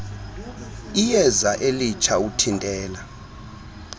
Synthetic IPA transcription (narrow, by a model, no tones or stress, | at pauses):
ijɛzaʔelit͡ʃʰʼautʰintʼɛːla